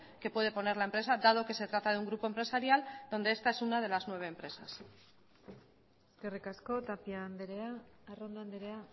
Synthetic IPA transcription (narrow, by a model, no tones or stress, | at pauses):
ke̞pwe̞ð̞e̞po̞ne̞ɾlae̞mpɾesad̪að̞o̞ke̞se̞t̪ɾat̪aðeuŋɡɾupompɾe̞saɾjald̪o̞nd̪eest̪ae̞sunað̞e̞laznwe̞β̞e̞ːmpɾe̞sas | eske̞rikasko̞t̪apiand̪eɾeaːrond̪oand̪eɾea